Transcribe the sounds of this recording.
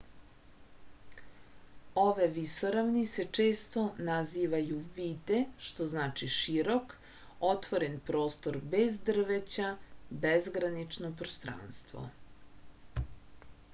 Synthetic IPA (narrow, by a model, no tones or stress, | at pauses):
o̞ʋeʋisoɾaʋnise̞t͡ʂeːst̪o̞naziːʋajuʋiːd̪e̞ʃt̪oznaːt͡ʃiʃiɾo̞k | ot̪ʋoɾenpɾo̞ːst̪oɾbe̞zd̪r̩ʋet͡ɕabezɡɾanit͡ʃnopɾost̪ɾa̰ːnst̪ʋo̰